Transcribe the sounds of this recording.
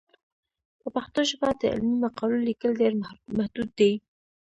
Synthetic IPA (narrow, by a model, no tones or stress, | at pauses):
pəpaxt̪oʃabɑt̪ə̰ʔɪ̰lmimaqɑlulikəld̪eɾmahd̪ud̪̚ːe